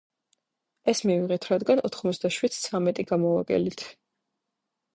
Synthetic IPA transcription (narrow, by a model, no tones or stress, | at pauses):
ɛsmiviʁɛt̪ʰɾad̪ɡanɔt̪ʰχmɔt̪sʰd̪aʃwid̪̥̚t̪sʰamɛt̪ʼiɡamɔaɡʼɛ̰lit̪ʰ